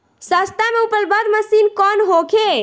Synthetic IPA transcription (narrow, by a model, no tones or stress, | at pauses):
sast̪ameupəlbəd̪məsinkɔnɦokʰe